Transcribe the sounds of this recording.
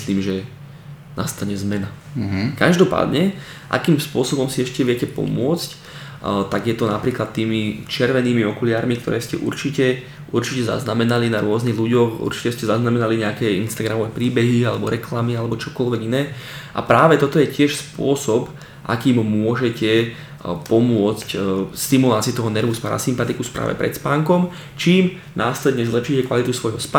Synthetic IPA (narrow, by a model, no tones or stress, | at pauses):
sliːmʒɛ | na̰st̪aɲɛzmɛna | kaʒd̪ɔpa̰ːd̪ɲɛ | ʔa̰kiːmspʊɔsɔbɔmsiɛʃcɛʋɪɛcɛpɔ̰mʊɔt͡sc | t̪aɡjɛt̪ɔnapɾiːklat̪ːiːmit͡ʃɪɛɾʋɛniːmiɔkuliaːɾmik̚t̪ɔ̰ɾɛːscɛ̰ʔṵɾt͡ʃicɛ | ʔuɾt͡ʃicɛza̰znamɛnalinaɾʊɔzniɣluɟɔxṵɾt͡ʃi̥cɛscɛzaznamɛnaliɲɛakɛːinst̪aɡɾamɔʋɛːpɾiːbɛɦialɛbɔɾɛklamialɛbɔt͡ʃɔkɔlʋɛɡinɛːʔa̰pɾaːʋɛt̪ɔt̪ɔjɛcɪɛʃspʊɔsɔp | ʔa̰kiːmmʊɔʒɛcɛ | pɔmʊɔt͡scst̪imulaːtt͡siut̪ɔɦɔnɛɾʋuspaɾa̰simpat̪ikuspɾʔa̰ːʋɛ̰pɾɛ̰t̪spaːŋkɔm | t͡ʃiːm | naːslɛd̪ɲɛzlɛpʃiːcɛkʋalit̪usʋɔjɦɔsp